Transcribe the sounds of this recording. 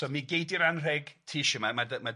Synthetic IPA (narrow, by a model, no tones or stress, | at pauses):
sɔːmiɡejdiɾanrɛɡ̥tʰiːʃɪmamadma